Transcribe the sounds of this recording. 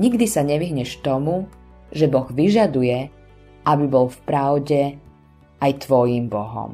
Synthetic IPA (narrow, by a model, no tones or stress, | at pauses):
ɲiɡd̪isaɲɛʋiɦɲɛʃt̪ɔmu | ʒɛbɔɣʋiʒad̪ujɛ | ʔabibɔlfpɾaʊɟɛ | ajt̪ʋɔjiːmbɔɦɔ̰m